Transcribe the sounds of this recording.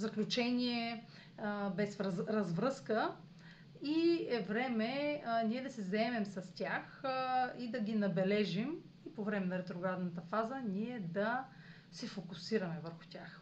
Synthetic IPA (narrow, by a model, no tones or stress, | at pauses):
zɐklʲut͡ʃɛnʲiɛ | bɛsɾɐzvɾɤskə | iɛvɾɛmɛniɛd̪ɐsɛzɐɛmɛmsɐst̪ʲaxid̪ɐɡinɐbɛlɛʒim | ipovɾɛmɛnɐɾɛt̪ɾoɡɾad̪nət̪əfazənʲiɛd̪ɐ | sɛfokʊsiɾɐmɛvəɾxʊ̥tʲax